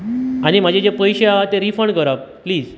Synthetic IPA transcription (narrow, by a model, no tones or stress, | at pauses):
añim̤ad͡ʑʱed͡ʑepəjɕeaat̪eɾifəɳɖɡəɾap̚pliːd͡z